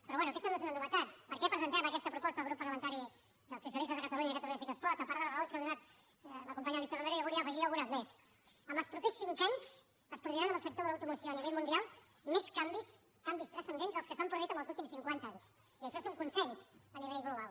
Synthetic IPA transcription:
pɾɔβwɛnuɐkɛst̪ənoesunənuβət̪at̪̚pəɾkɛpɾəzənt̪aməkɛst̪əpɾupɔst̪əðɣɾupːəɾləmənt̪aɾi | ðəlˠsus̬jəlist̪əzðəkɐt̪ɐluɲaikət̪ɐluɲəs̬ikəspɔɾtəpaɾðəlɣaðot͡ʃkəðunat̪̚ | ləkumpaɲalikt̪anəmeɾojaβulˠiaəfəialˠɣunəzmes | əmbəlspɾupesːiŋkaɲs | əspɾuðiɾanəmbəlˠsək̚t̪oðəlat̪umusjoəniβɛʎmund̪ialˠ | mɛskambis | kambist̪ɾɛsənd̪enzðəlˠskəsampɾuðuit̪əmbəlzulˠt̪imsiŋkwant̪aaɲs | iəʃɔsoŋkunsɛɲsəniβeʎɣluβalˠ

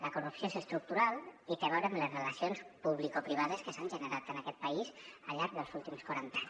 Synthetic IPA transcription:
ləkurupsjoesəst̪ɾuk̚t̪uɾalˠik̪əβɛwɾemləzreləsionspuβ̞likopɾiβ̞að̞əskəsanʲʒənəɾat̪ənakɛt̪̚pəisəʎaɾk̚ðəlˠzulˠt̪imskwaɾant̪aɲ

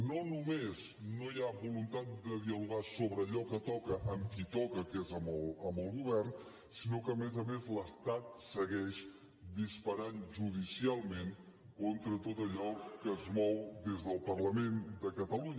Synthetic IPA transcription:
nonumez | nojaβulunt̪at̪̚d̪əðiəluɣasoβɾəːʎɔkət̪ɔkəʔəmkit̪ɔkəkezəmələmbəlˠɣuβɛrn | sinokəːmezəmezləst̪at̪̚səɣɛʃ | d̪ispəɾanʒuðisialˠmen | kont̪ɾət̪ot̪əʎɔkəzmɔwd̪ezðəlˠpərləmend̪əkət̪əluɲə

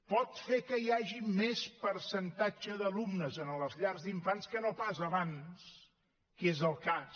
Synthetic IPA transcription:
pɔt̪fekəiaʒimespəɾsənt̪ad͡ʒəðəlumnəzənələzʎaɾzd̪iɱfanskənopazəlanims | kezəlˠkas

